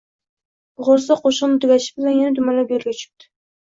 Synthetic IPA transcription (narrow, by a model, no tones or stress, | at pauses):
ʁoɾsaqʰoʃɨnɪt̪ʰʊɡʲaʃɪ̥bɪlanjanad̪ʊmalabeɾɡʲat͡ʃʰʊ̥p̚t̪ʰɪ̥